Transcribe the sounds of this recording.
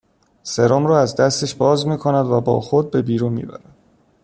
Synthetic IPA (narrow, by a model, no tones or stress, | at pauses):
seɾɒmɾɒːæzd̪æst̪e̞ʃbɒːzmiːkʰonæd̪væbɒ̰ːxo̞d̪̚be̞biːɾuːnmḭːbæ̰ɾæd̪̥